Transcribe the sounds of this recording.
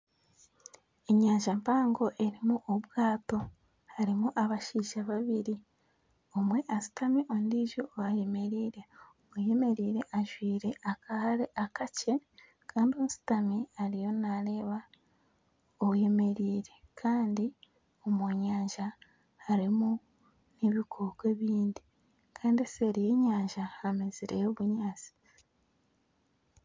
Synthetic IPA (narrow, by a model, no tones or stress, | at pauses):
e̞ɲaːɲʒampaːŋɡo̞ʔe̞ɾimuʔoβwaːto̞ | haɾimuʔaβaʃiːʒaβaβiɾi | omwe̞ʔasi̥tamiʔo̞ndiʒoaje̞me̞ɾiːɾe̞omuje̞me̞ɾiːɾe̞ʔaʒwiːɾe̞ʔakʰahaɾe̞ʔakace̞ | kʰaːndio̞ːsi̥tamiaɾijo̞naɾe̞ːβa | oβje̞me̞ɾiːɾe̞kʰaːndi | o̞mwoɲaːɲʒaː | ɾimu | niβikʰoːkweβiːndi | kʰaːndeseɾijeɲaːɲʒaːmeziɾejoβuɲaːt͡si̥